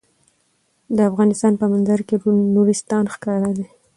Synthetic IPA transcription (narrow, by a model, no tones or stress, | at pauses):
d̪əafɣɑnɪst̪ɑnpəmanzaɾkeɾnuɾist̪ɑnxkɑɾad̪e